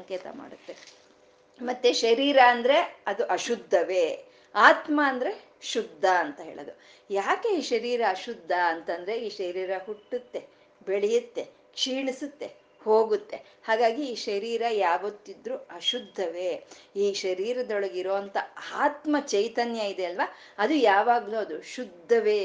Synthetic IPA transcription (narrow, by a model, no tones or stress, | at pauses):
ɐŋkeːt̪ɐ̰ma̰ːɽut̪ːe̞ | mɐt̪ːeʃɐɾiːɾɐːnd̪ɐɾe̞ɐd̪uʔɐʃud̪ʱːɐʋe̞ː | aːt̪mɐːnd̪ɐɾe̞ | ʃud̪ʱːɐɐnt̪ɐɦeːɭod̪u | jaːke̞iːʃɐɾiːɾɐːʃud̪ʱːɐɐnt̪ɐnd̪ɐɾe̞iːʃɐɾiːɾɐɦuʈːut̪ːe̞ | beɭɛjut̪ːe̞ | kʂiːɳisut̪ːe̞ | hoːɡut̪ːe̞haːɡaːɡiːʃɐɾiːɾɐjaːʋɐt̪ːid̪ɾuɐʃud̪ʱːɐʋeːiːʃɐɾiːɾɐd̪ɔɭɐɡiɾoːɐnt̪ɐaːt̪mɐt͡ʃɐjt̪ɐnjɐid̪e̞ɐlʋa | ɐd̪ujaːʋaːɡluɐd̪uʃud̪ʱːɐʋeː